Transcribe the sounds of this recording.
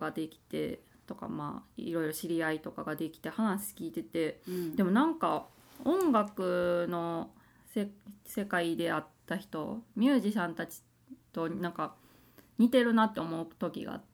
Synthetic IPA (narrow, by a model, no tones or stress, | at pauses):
ɡad̪e̞kʲi̥t̪e̞̰ | t̪o̞ka̰ma̰ːḭɾo̞iɾo̞ɕiɾʲiait̪o̞kaɡad̪e̞kʲi̥t̪e̞hanaɕi̥kʲiːt̪e̞t̪e̞d̪e̞mo̞nãŋka | õ̞ŋɡakɯ̟no̞ | sese̞kaid̪e̞at̪ːaçi̥t̪o̞̰mʲɨːʑisãnt̪at͡ɕi̥ | t̪o̞nãŋka | ɲ̟it̪e̞ɾɯ̟nat̪ːe̞o̞mo̞ɯ̟t̪o̞kʲḭɡa̰